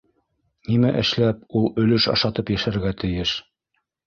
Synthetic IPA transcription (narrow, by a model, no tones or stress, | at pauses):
nimæʔɘ̆ʃlæp̚ulˠɵ̆lɵʃɑ̰ʃɑt̪ɤpjæʃæɾɡæt̪ɘ̆jɘʃ